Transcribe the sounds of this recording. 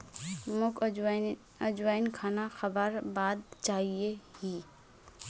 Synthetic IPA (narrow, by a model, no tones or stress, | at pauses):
mʊk | əd͡ʒwaːɪnkʰaːnaxəbəɾbaːd̪t͡ʃaːɦiehiː